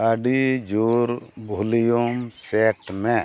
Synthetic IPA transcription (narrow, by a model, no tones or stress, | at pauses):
aɖid͡ʒuɾbʱulijumseʈmɛ